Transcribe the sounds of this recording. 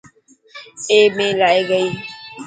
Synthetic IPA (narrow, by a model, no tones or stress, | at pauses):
eːmẽːlaːiːɡəiː